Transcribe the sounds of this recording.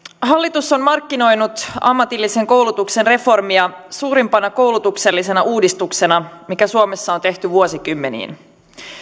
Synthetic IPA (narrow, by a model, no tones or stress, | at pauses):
hɑlːit̪usːo̞nmɑrkːino̞jnut̪ɑ̰mːɑt̪ilːise̞ŋko̞wlut̪ukse̞nre̞fo̞rmiɑsuːɾimpɑnɑko̞wlut̪ukse̞lːise̞nɑʔuːdist̪ukse̞nɑmikæsuome̞sːɑont̪e̞ht̪yʋuosikymːenḭːn